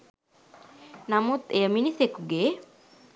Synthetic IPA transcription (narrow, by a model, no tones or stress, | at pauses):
namut̪ejəminisekuɡeː